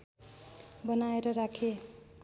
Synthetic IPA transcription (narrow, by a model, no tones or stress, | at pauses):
bʌnaeɾʌɾakʰe